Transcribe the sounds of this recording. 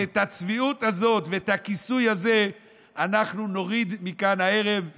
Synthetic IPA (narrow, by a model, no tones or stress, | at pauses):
et̪hat͡sviut̪azo̞t̪veet̪hakisujhaze̞ | anaχnuno̞ʁid̪mikanae̞ʁe̞v